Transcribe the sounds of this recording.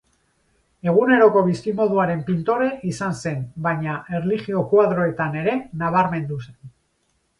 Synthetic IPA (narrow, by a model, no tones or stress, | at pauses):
e̞ɣ̞une̞ɾo̞ko̞β̞iskimo̞ð̞uaɾe̞mpint̪o̞ɾe̞ʔisanse̞nbajɲaʔe̞rlixio̞kwaðɾo̞e̞t̪ane̞ɾe̞naβ̞aɾme̞nd̪use̞̥n